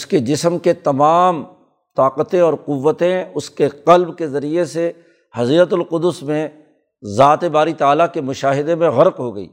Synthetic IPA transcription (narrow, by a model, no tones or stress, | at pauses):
ʊsked͡ʒɪsəmket̪ɐmaːm | t̪aːqət̪ẽɔːɾqʊʋːət̪ẽʊskeqɐlbkezɐɾiese | hɐziːɾət̪ʊlqʊd̪ʊsmẽ | zaːt̪ebaːɾit̪aːlakemʊʃaːɦɪd̪emẽɣɐɾqɦoɡɐḭː